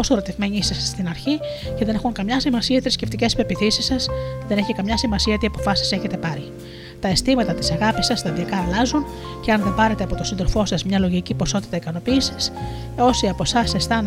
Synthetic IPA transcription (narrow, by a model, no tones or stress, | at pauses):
osoɾo̞t̪ivme̞ɲisɐsst̪inɐɾçi | ce̞ðe̞ne̞xuŋkɐmɲɐsimɐsiɐet̪ɾisce̞ft̪ice̞spe̞piθisisɐsceðe̞ne̞çikɐmɲɐsimɐsiɐet̪iɐpo̞fɐsi̥se̞çe̞t̪e̞pɐɾi | t̪ɐest̪imɐt̪ɐt̪isɐɣɐpisɐst̪ɐðiɐkɐːlɐzun | ce̞ɐnðe̞mbɐɾe̞t̪e̞ɐpo̞t̪o̞sinðo̞lfo̞sɐzmɲɐlo̞ʝicipo̞so̞t̪i̥t̪ɐikɐno̞piːsi̥s | o̞siɐpo̞sɐsest̪ɐn